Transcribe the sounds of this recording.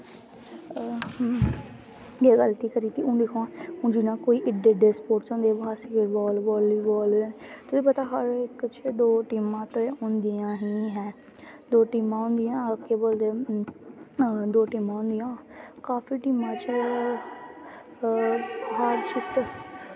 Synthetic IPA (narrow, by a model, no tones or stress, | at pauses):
ɡeːɡəlt̪iːkəɾiːt̪iːʔũːd̪ekʰoãːũːd͡ʒɪnãːkoːiːʔɪɖeːɖeːspoːʈt͡ʃɔ̃ːnd̪ebaːsikebɔːlbɔːliːbɔːlːnet̪ʊsĩːpət̪aːɦəɾɪkət͡ʃʰed̪oːʈiːmãːt̪oeʊ̃nd̪ijãːɦĩːɦɛ̃ː | d̪oːʈiːmãːɦʊ̃nd̪ijãːkeboːld̪eː | d̪oːʈiːmãːɦʊ̃nd̪ijãːkaːfiːʈiːmãːt͡ʃ | ɦaːɖt͡ʃʰɪt̪